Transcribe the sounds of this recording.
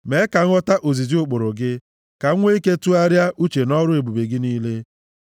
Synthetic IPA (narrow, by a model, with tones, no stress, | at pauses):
me˨˦ka˨ŋ̩˦ɔ˦ta˦ʔo˨zi˨zi˦ʊ˦˨k͡pʊ˨ɾʊ˨ɡɪ˦ | ka˨˦ŋʷe˦i˦ke˦tu˦a˦ɾja˦ʔu˦t͡ʃe˨nɔ˦ɾʊ˦e˨bu˨be˨ɡɪ˦niː˦le˦